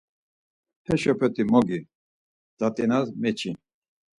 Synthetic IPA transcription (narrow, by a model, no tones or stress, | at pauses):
hɛʃɔpʰɛt̪ʰimɔɡi | d̪̥at̪ʼinasmɛt͡ʃʰin